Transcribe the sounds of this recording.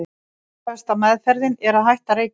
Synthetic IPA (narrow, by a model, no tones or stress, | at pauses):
ɛst̪amɛðfɛɾðɪnɛɾaðɦajht̪aɾejk